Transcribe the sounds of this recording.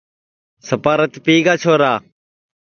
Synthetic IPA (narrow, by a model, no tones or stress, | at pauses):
səpaːɾət̪piːɡaːt͡ʃʰoːɾaː